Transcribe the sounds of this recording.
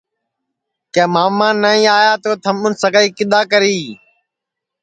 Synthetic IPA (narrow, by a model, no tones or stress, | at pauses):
kẽːmaːʋmãːnːaːĩːaːjaːt̪oːt̪ʰəmʊnsəɡaːiːkɪɗ̪aːkəɾiː